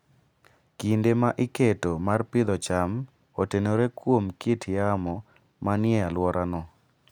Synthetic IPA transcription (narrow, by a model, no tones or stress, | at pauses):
kindemaʔɪketomarpɪd̪ɔt͡ʃam | otenoɾekwomkitʰjamɔ | manɪɛalwɔɾʔanɔ